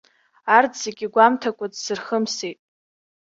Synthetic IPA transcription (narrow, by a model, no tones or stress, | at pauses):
ardzeɡʲiɡʷamtʰakʷʼadsɨrχəmsejtʼ